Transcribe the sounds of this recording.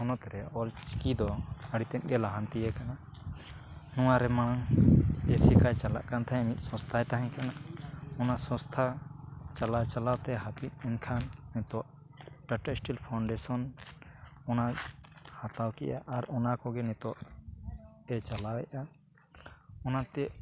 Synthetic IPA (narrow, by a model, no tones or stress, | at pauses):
hɔnɔt̪ɛɾɛɔlt͡ʃkid̪ɔəɽit̪ɛt̪̚ɡɛlaɦant̪ijɛkana | nɔwaɾɛmaɽ̃aŋesikajt͡ʃala̰ʔkant̪ʰaɛmit̪̚ˀsɔ̃st̪ʰajt̪aɦaɲkʰanaʔɔnasɔ̃st̪ʰat͡ʃalat͡ʃalawt̪ɛɦapit̪̚ɛnkʰanːɛt̪ɔwaʔ | ʈaʈɛsʈilpʰawɳɖɛsɔn | ɔnahat̪awkɛ̰ʔa̰ʔaɾɔnakɔɡɛnɛt̪ɔwa̰ʔ | ɛt͡ʃalawɛʔa | ɔnat̪ɛʔ